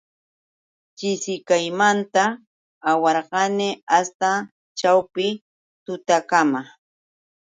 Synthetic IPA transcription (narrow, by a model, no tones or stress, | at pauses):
t͡ʃɪsɪkajmant̪aː | wɑɾɢɑnɪast̪a | t͡ʃawpɪ | t̪ʊt̪akama